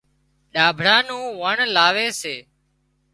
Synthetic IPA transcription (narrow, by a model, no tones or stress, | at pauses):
ɗaːbʱɽaːnũːʋəɳlaːʋeːseː